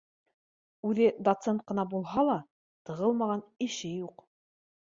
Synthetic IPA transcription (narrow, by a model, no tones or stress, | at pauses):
ʉðɘd̪ot̪sent̪̚qɤ̆nɑbulˠɦɑlˠɑ | t̪ɤ̆ʁɤlˠmɑʁɑnɘ̆ʃɘjuq